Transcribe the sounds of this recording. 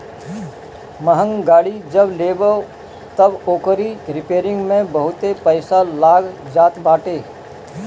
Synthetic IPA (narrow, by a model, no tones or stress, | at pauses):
məɦə̃ŋɡaːɽid͡ʒəbleːbə | t̪əboːkəɾiɾɪpeːɾɪ̃ŋɡmẽbəɦʊt̪epəɪsalaːɡd͡ʒaːt̪baːʈeː